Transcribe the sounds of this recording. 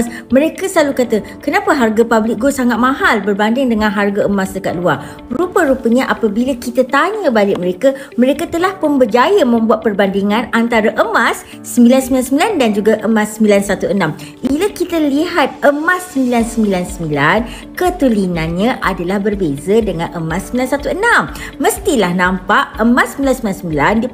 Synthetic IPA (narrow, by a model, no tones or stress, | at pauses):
s | mə̃ɾekasəlalukat̪a | kənapəɦarɡapablɪk̚ɡosaŋat̪̚mãɦalbərbandɪŋdəŋãnɦarɡaəmasdəkat̪̚lua | rupəɾupəɲãʔapabilakit̪at̪aɲə̃balɪʔ̚məɾeka | məɾekat̪əlahpənbəd͡ʒajəmə̃mbuat̪̚pərbandiŋãnant̪aɾaʔəmasː | əmbilansəmbilansəmbilandand͡ʒuɡaʔəmãsəmbilansat̪uənãm | ʔilakit̪aliɦat̪̚əmasːəmbilansəmbilansəmbilan | kət̪ulinanɲãʔadalahbərbezadəŋãnʔəmãsːəmbilansat̪uənãmːə̃st̪ilahnãmpaʔəmãsəmbilansəmilansəmbilandi